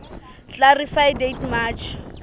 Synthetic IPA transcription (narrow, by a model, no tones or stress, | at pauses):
t͡ɬarifajdetmaːt͡ʃʰ